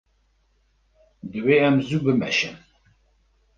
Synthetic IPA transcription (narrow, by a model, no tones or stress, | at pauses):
d̪ɨweːɛmzubɨmɛ̰ʃɛn